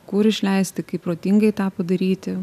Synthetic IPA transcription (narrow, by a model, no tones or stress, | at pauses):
kʊɾɪʃʲlʲɛɪsʲt̪ʲɪkɐɪpɾoːt̪ʲɪŋɡɐɪt̪ɑːpɐd̪ɐɾʲiːt̪ʲɪ